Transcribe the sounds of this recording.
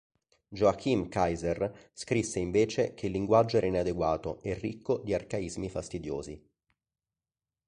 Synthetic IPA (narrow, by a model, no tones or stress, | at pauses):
d͡ʒoakʰːimkajzerskɾisːeiɱveːt͡ʃekʰeilːiŋɡwad͡ʒːoɛɾʔenɛad̪eɡwaːt̪oerːikʰːod̪iarkaizmifast̪id̪jo̰ːzi